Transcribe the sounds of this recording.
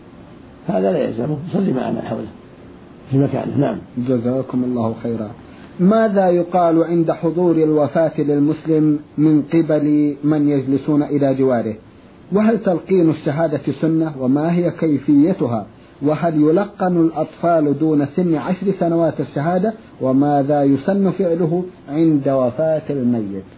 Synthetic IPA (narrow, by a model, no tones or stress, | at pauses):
haːðalaja̰lzamʊjsˤɑlːima̰ʕa̰ːna̰lħa̰wla | fimaka̰ːnɪ̰naʕa̰md͡ʒazaːkʊmɑlˤːɑːhxajːɾaː | maːðajʊqɑːlʕɪnd̪aħʊðˤuːɾɪlwafaːt̪lɪlmʊslɪmːɪnqɪbalmanjad͡ʒlɪsuːnaʔɪlaːd͡ʒɪwaːɾɪh | waɦalt̪alqiːnaʃːaɦaːd̪asʊnːawamaːɦɪjakajfɪjːat̪ʊɦa | waɦaljʊlɑqːɑnalʔɑt̪ˤfɑːld̪uːnasɪnːʕaʃɾsanawaːt̪aʃːaɦaːd̪a | wamaːðajʊsanːʊfɪʕlʊɦʊʕɪnd̪awafaːt̪almajːɪt̪